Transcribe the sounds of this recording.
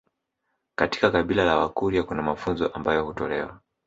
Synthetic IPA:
kati̥kakaɓilalawakuɾiakunamafunzɔʔambajɔhutɔlɛwa̰

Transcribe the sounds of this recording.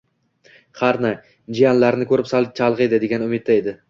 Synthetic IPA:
χɑɾnɪ | d͡ʒijanlaɾnɪkʰɵɾɪpsat͡ʃʰalˠʁed̪ɪd̪e̞ɡʲanʊmɪt̪̚ːaed̪ɪ

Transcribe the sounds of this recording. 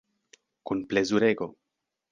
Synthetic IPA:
kunplezuɾeɡo

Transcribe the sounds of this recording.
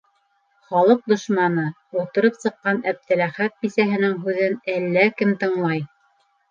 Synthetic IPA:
χɑlˠɤq̚d̪ŏʃmɑnɤ | ut̪ɤ̆ɾɤpsɤ̆qːɑnæp̚t̪ɘ̆læχæt̪̚bisæɦɘ̆nɘŋɦʉðɘnælːækɘmt̪ɤ̆ɴlˠɑj

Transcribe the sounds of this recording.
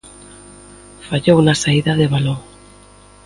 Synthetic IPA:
faʎowunasaiðaðeβalo

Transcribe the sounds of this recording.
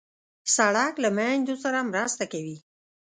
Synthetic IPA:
saɽaklamand̪osaɾamɾast̪akawi

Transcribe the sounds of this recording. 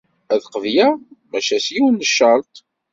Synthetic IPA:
æðqəvjæmæʃæsjiwənːəʃːɑlt̪ˤ

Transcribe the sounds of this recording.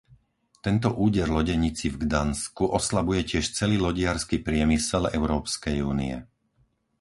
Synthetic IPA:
t̪ɛnt̪ɔʔuːɟɛɾlɔɟɛɲit͡sivɡd̪anskuʔɔslabujɛcɪɛʃt͡sɛliːlɔɟɪaɾskipɾɪɛmisɛlɛʊɾɔːpskɛjuːnḭɛ̰

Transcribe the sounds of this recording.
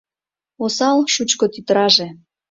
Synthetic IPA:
osɑlʃut͡ɕkot̪yt̪əɾɑʒe

